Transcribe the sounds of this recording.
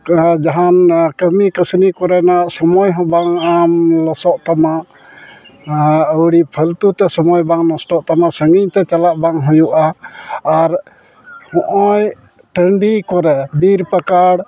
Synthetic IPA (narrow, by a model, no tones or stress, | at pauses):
d͡ʒaɦankəmikəsnikɔɾɛnaʔsɔmɔjɦɔ̃baŋamlɔsɔʔt̪amaʔ | əwɽiʔpʰəlt̪ut̪ɛsɔmɔjbaŋnɔsʈɔʔt̪amaʔsəŋiɲt̪ɛt͡ʃalaʔbaŋɦujuʔaː | ɾ | hɔ̃ʔɔj | ʈəɳɖikɔɾɛbiɾpəkaɽ